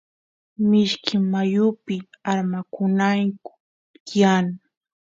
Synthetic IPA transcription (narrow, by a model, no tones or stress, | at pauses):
mɪʃkʰɪmːajʊpɪ | aɾmakʊnaŋkʊ̥ | jan